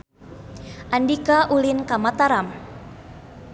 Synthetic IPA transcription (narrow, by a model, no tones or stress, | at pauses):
ʔandikaʔulinkamat̪aɾam